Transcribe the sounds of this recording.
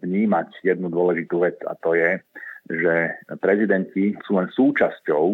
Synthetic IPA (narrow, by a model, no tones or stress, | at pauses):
ʋɲiːmacjɛd̪̚nud̪ʊɔlɛʒit̪uʋɛt͡sa̰t̪ɔjɛʒɛpɾɛzid̪ɛncisuːlɛnsuːt͡ʃascɔʊ